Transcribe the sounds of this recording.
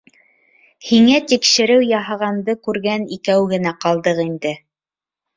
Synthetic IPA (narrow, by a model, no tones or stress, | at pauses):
hiŋæt̪ikʃɘ̆ɾɘwjɑɦɑʁɑnd̪ɤkʉɾɡænikæwɡɘ̆næqɑlˠd̪ɤqind̪ɘ